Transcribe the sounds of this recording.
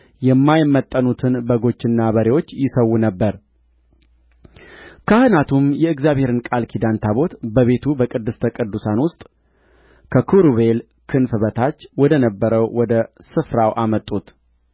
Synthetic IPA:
jɛmːajmːət̪ʼːənut̪ʰɨnbəɡo̞t͡ʃːɪnːabəɾewo̞t͡ʃːjɪsəwːunəbːəɾ | kʰahɨnat̪ʰumjɛɨɡzjaβhe̞ɾɨnkʼalkʰid̪ant̪ʰaβo̞t̪bəβe̞t̪ʰubəkʼɨd̪ːɨst̪ʰəkʼɨd̪ːusanwʊst̪ʼ | kʰəkʰuɾuβe̞l | kʰɨnfɨβət̪ʰat͡ʃːwɔd̪ənəbːəɾəwwɔd̪əsɨfɾawʔamət̪ʼːut̪

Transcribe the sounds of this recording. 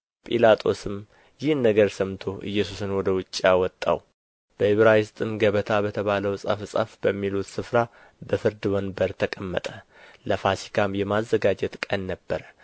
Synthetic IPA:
pʼilat̪ʼʰo̞̰sɨm | jɪhnəɡəɾsəmt̪ʰoʔɨ̰jːɛsusɨnwɔd̪əwʊt͡ʃʼːawɔt̪ʼːa̰w | b̥əhɪβɾajɪst̪ʼɨmɡəβət̪ʰabət̪ʰəβaləwsʼə̰fsʼə̰fbəmːilut̪sɨfɾa | bəfɨɾd̪ɨwɔnbəɾt̪ʰəkʼəmːə̰t̪ʼə | ləfasi̥kʰamjɛmazːəɡad͡ʒɛt̪kʼənːəbːəɾə

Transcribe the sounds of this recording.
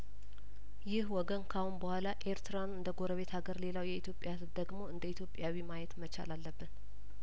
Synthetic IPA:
jɪhwɔɡənkʰahunbəhʷalaʔe̞ɾt̪ɨɾanɨnd̪əɡoɾəβe̞t̪haɡəɾle̞lawjɛit̪jo̞pʼːjasɨd̪əɡmo̞ɨnd̪əit̪ʰjo̞pʼjawimajɛt̪mət͡ʃa̰lalːəbːɨn

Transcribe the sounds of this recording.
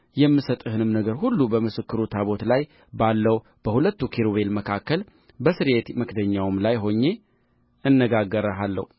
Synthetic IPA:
jɛmːɨsət̪ʼɨhɨnɨmnəɡəɾhulːubəmɨsɨkːɨɾut̪ʰaβo̞t̪laj | balːəw | b̥əhulət̪ːukʰiɾoβe̞lməkʰakːəl | bəsɨɾjet̪məkd̪əɲːawɨmlajɦo̞ɲːe̞ | ɨnːəɡaɡːəɾəalːə̰hu

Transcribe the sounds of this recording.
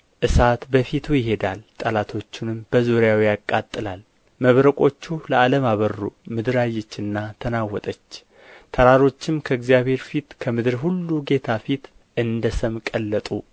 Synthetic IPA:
ʔɨsat̪bəfit̪ʰujɪɦe̞d̪alt̪ʼəlat̪ʰo̞t͡ʃːunɨmb̥əzuɾjawijakʼːat̪ʼːɨlal | məβɾəkʼo̞t͡ʃːuləaləmaβərːṵmɨd̪ɨɾajːɛt͡ʃːɨnːat̪ʰənawɔt̪ʼət͡ʃː | t̪ʰəɾaɾo̞t͡ʃːɪmkʰəɨɡzijaβhe̞ɾfit̪kʰəmɨd̪ɨɾɦulːuɡe̞t̪ʰafit̪ | ʔɨnd̪əsəmkʼəlːət̪ʼu

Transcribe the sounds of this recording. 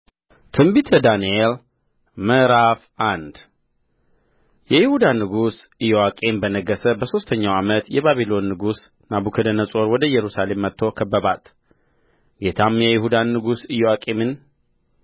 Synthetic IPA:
t̪ʰɨmbit̪ʰəd̪aniel | məɾafʔand̪ | jɛjɪhud̪anːɨɡusɨjowakʼe̞mbənəɡːəsəbəso̞st̪ʰəɲːawamət̪jɛβaβilo̞nːɨɡus | nabukʰəd̪ənəsʼo̞ɾwɔd̪əjɛɾusale̞mːət̪ʰːo̞kʰəbːəβat̪ | ɡe̞t̪ʰamjɛjɪhud̪anːɨɡusɨjowakʼe̞mɨn

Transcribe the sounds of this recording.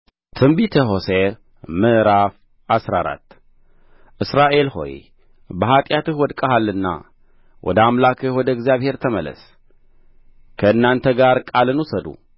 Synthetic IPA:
t̪ʰɨmbit̪ʰɐɦo̞se | mɨʔɾaf | ʔasɾaɾa̰t̪ | ʔɨsɾaʔe̞lho̞̰j | bɐɦat̪ʼjat̪ɨhwɔd̪kʼɐɦalːɨnːa̰ | wʔɔ̰d̪əamlakʰɨhwɔd̪ɐɡzijaβhe̞ɾt̪ʰɐmɐlɐ̰s | kʰɐɨnːaɨnt̪ʰɐɡaɾkʼalɨnusɐd̪ṵ

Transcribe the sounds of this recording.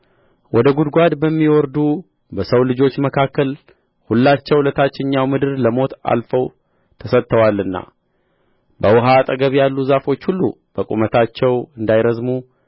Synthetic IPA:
wɔd̪əɡud̪ɡʷad̪bəmːiwɔɾd̪u | bəsəwlɨd͡ʒo̞t͡ʃːməkʰakːəl | hulːat͡ʃːɛwlət̪ʰat͡ʃːɪɲːawmɨd̪ɨɾləmo̞t̪a̰lfəw | t̪ʰəsət̪ʰːəwalːɨnːa̰ | bəwʊɦat̪ʼəɡəβjalːuzafo̞t͡ʃːhulːu | b̥əkʼṵmət̪ʰat͡ʃːɛwɨnd̪ajɾəzmu

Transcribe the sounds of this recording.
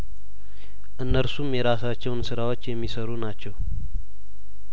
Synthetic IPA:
ʔɨnːəɾsumjɛɾasat͡ʃːɛwnsɨɾawot͡ʃːjɛmːisəɾunat͡ʃːɛw

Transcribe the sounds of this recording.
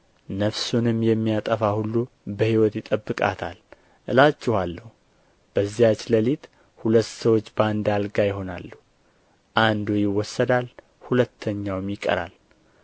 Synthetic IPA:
nəfsunɨmjɛmːijat̪ʼəfahulːu | bəhiwɔt̪jɪt̪ʼəbːɨkʼa̰t̪ʰa̰l | ʔɨlat͡ʃːɪhalːəhu | b̥əzːijat͡ʃləlit̪ | hulət̪ːsəwot͡ʃːbəand̪alɡajɪɦo̞na̰lːuh | ʔand̪ujɪwːɔsːəd̪al | hulət̪ʰːəɲːawmjɪkʼə̰ɾa̰l

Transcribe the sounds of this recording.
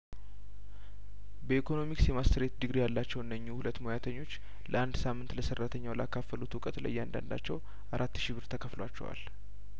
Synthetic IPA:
bəikʰo̞no̞miksjɛmast̪ʰəɾet̪d̪ɨɡɾijalːat͡ʃːɛwʔɨnːəɲːuhulət̪ːmo̞jat̪ʰəɲːo̞t͡ʃː | ləʔand̪samːɨnt̪ləsərːat̪ʰəɲːawləakːafəlut̪wʊkʼət̪lə̰jːɛand̪a̰nd̪a̰t͡ʃːɛw | aɾʔat̪ːɨʃibɨɾt̪ʰəkʰəflowa̰t͡ʃːɛ̰wa̰l

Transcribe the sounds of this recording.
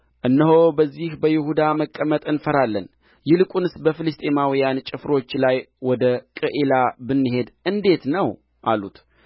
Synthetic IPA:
ʔɨnːəɦobəzːihbəjɪhud̪aməkʼːəmət̪ʼɨnfəɾalːən | jɪlɨkʼunɨsbəfɨlɨst̪ʰʼe̞mawijant͡ʃʼɪfɾo̞t͡ʃːlajwɔd̪əkʼɨʔelabɨnːɨɦe̞d̪ʔɨnd̪e̞t̪nəw | ʔalut̪

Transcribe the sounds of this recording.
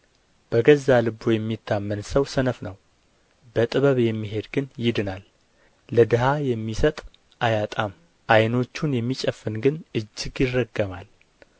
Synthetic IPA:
b̥əɡəzːalɨbojɛmːit̪ʰːamːənsəwsənəfnəw | bət̪ʼɨβəβjɛmːiɦe̞d̪ɡɨnjɪd̪ɨnalː | əd̪ɨɦajɛmːisət̪ʼ | ʔajat̪ʼam | ʔajno̞t͡ʃːunjɛmːit͡ʃʼəfɨnɡɨnʔɨd͡ʒːɪɡjɪrːəɡːəmal

